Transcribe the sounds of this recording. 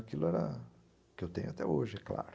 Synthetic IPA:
akilʊɛɾɐ̰ | kɪewt̪ẽɲʊat̪ɛoʒɪɛkla̰ɾ

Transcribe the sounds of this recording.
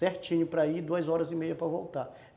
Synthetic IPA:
ɛɾt͡ʃĩɲʊpɾɐid̪uɐzɔɾɐzɪmejɐpɾɐvowt̪a

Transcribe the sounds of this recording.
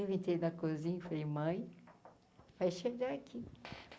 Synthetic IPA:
evẽt̪ed̪ɐkozĩɲfeemɐ̃j̃ | vajʃeɡaakʰi

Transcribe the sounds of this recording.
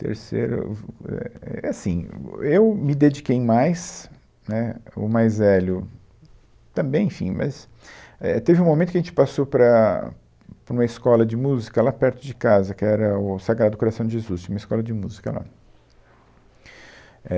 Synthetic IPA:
t̪ḛɾsḛɾʊ̰ɛ̰ɛasĩewmɪd̪ed͡ʒikejmajs | nɛʊ̰majzvɛljʊ | t̪ɐ̃bẽj̃ẽfḭ̃mɐ̰s | ɛt̪evɪũmõmẽt̪ʊkɐʒẽt͡ʃɪ̥pasowpɾɐ | pɾũmɐɪskɔlɐd͡ʒɪmuzikɐlapɛɾt̪ʊd͡ʒɪkazɐkɪɛɾɐʊsaɡɾad̪d̪ʊkoɾasɐ̃w̃d͡ʒɪʒezustt͡ʃĩũmɪskɔlɐd͡ʒɪmuzikɐla̰ | ɛ

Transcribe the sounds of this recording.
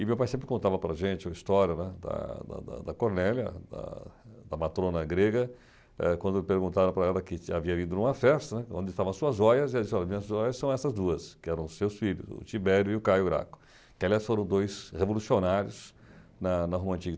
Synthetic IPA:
ɪmewpajsẽpɾɪkõnt̪avɐpɾɐʒẽnt͡ʃɪist̪ɔɾjɐnɛd̪ɐ̰d̪ɐ̰d̪ɐ̰d̪ɐkoɾnɛljɐ̰d̪ɐ̰d̪ɐmat̪ɾõnɐɡɾeɡɐ | ɛkwɐ̃nd̪ʊpeɾɡũnt̪aɾɐ̃pɾaɛlɐkɪaviɐvĩnd̪ʊnũmɐfɛst̪ɐnɛkõnd̪ɪst̪avɐ̃ɐsuɐzɔjɐzɛd͡ʒisɪɔlɐmĩɲɐzɔjɐssɐ̃w̃ɛsɐzd̪uɐskɪɛɾɐ̃w̃sewsfiʎʊ̰zʊ̰t͡ʃ̪ibɛɾjʊɪʊkajʊɾa̰kʊ̥ | kɪaliasfoɾɐ̃w̃d̪ojshevolusionaɾjʊs | nɐnɐɦõmɐ̃nt͡ʃiɡ

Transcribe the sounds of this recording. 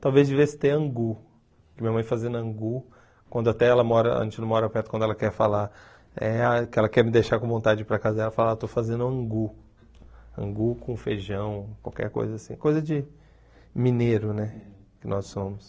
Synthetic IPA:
t̪awvezd͡ʒɪvesɪ̥t̪ẽɐ̃ɡu | kɪmĩɲɐmɐ̃j̃fazẽnd̪ʊɐ̃ŋɡu | kwɐ̃nd̪ʊat̪ɛɛlɐmɔɾɐɐ̰ʒ̰̃ʒẽt͡ʃɪñmɔɾapɛɾt̪ʊkwɐ̃d̪ɛlɐkɛɾfala | ɛakɪɛlɐkɛɾmɪd̪ejʃakõvõnt̪ad͡ʒɪpɾɐkazɐd̪ɛlɐfalat̪ofazẽnd̪ʊɐ̃ɡu | ɐ̰̃ɡukõfeʒɐ̃w̃kwa̰wkɛ̰ɾko̰jzɐasḭ̃kojzɐd͡ʒɪ | mineɾʊnɛ | kɪnɔsːõmʊs

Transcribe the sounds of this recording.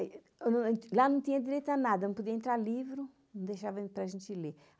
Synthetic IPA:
enɐ̃lanɐ̃w̃t̪ĩɲɐd̪iɾejt̪ɐnad̪ɐnɐ̃pud̪iɐẽnt̪ɾaɾlivɾʊ | nɐ̃w̃d̪ejʃavɐpɾaʒẽnt̪ile

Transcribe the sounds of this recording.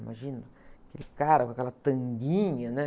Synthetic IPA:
ma̰ʒĩnɐakelikaɾakakɛlat̪ɐ̃ŋɡĩɲɐnɛ

